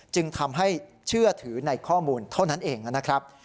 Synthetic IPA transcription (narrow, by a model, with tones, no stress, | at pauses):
t͡ɕɯ˧ŋt̪ʰa˧mɦa˥˩j | t͡ɕʰɯ˥˩ɐt̪ʰɯː˩˦na˧jkʰɔː˥˩muː˧nt̪ʰa˥˩wna˦˥nʔeː˧ŋa˧˩na˦˥kʰɾa˦˥p̚